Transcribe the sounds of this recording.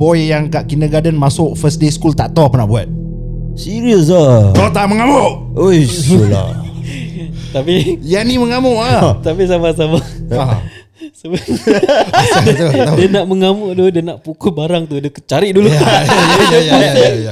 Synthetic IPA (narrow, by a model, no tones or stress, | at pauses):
bɔjjaŋkaʔkinəɡadənmasʊʔfəsdeskult̪aʔt̪oapənaʔbuat̪̚ | siɾiəs̬at̪ɔt̪aʔməŋamʊʔ | ojula̰ | t̪apijaniməŋamʊʔat̪apisamasamaa | sa | daadiənaʔməŋamʊʔdudiənaʔpukʊt̚baɾaŋt̪udiəkət͡ʃaɾiʔduluajajadəjpauia